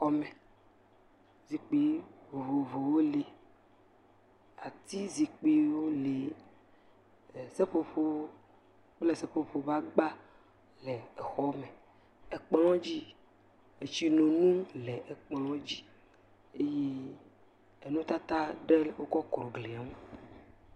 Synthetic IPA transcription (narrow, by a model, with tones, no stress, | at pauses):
xɔ˦mɛ˨ | zi˨k͡pi˨vo˨vo˨vo˨wo˦le˨ | a˨t̪i˦zi˨k͡pi˨wo˦le˨ | se˦ɸo˦ɸo˦ | k͡ple˨sɛ˦ɸo˦ɸo˨va˦ɡ͡ba˦ | lɛ˨ɛ˨xɔ˦me˨ | e˨k͡plɔ̃˦d͡ʑi˦ | e˨t͡ɕi˦nõ˨nũ˦lɛ˨ʔɛ˨k͡plɔ̃˦d͡ʑi˦ | e˦je˦ | e˨nũ˦t̪a˦t̪a˦ɖɛ˦lwo˦kɔ˦kɾo˨ɡle˨a˨m˦